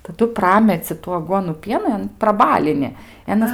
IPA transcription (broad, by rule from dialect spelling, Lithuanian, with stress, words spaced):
tɐˈdʊ ˈprɑːmʲɛt͡sʲɪ tuː ɐˈɡuɔnuː ˈpʲiɛnɐn prɐˈbɑːlʲɪnʲɪ ɪ ɐˈnɐs